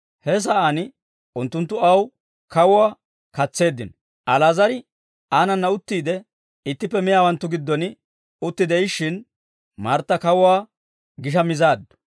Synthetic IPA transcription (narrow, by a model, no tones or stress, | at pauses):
hɛs̬ɐʔanɪ | ʊnt̪ːʊnt̪ːʊɐw | kɐwʊwaː | kɐt͡sːe̞ːd̪ːɪnɔ | ʔɐlaːzɐɾɪ | aːnɐnːɐʊt̪ːiːd̪ɛ | ɪt̪ːɪpːɛmɪjaːwɐnt̪ːʊɡɪd̪ːɔnɪ | ʊt̪ːɪd̪ɛɪʃːɪn | mɐɾt̪ːɐkɐwʊwaː | ɡɪʃɐmɪzaːd̪ːʊ̥